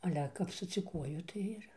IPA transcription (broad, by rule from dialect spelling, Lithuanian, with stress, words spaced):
ɐˈlʲɛ kɐp sʊd͡zʲʊˈkuɔjʊ tɐɪ ˈɪr